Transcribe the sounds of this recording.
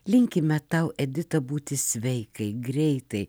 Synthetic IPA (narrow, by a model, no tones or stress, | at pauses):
lʲɪŋʲkʲɪmʲɛt̪ɐʊʔɛd̪ʲɪt̪ɐbuːt̪ʲɪsʲʋʲɛɪkɐɪɡɾʲɛɪt̪ɐɪ